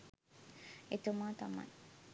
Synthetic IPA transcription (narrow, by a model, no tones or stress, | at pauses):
et̪umaːt̪ama̰j